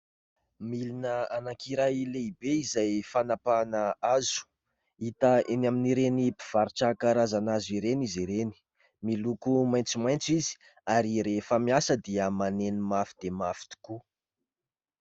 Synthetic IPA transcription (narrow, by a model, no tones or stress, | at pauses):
milinəanakiɾajleibeizajfanapanəazu̥ | it̪əenaminiɾenipiv̥aɾiʈ͡ʂakaɾazanaziɾeniziɾeni̥ | milukumajnt͡simajnt͡sizi̥ | aɾiɾefəmiasəd̪iəmanenimafi̥d̪̥emafi̥t̪i̥ku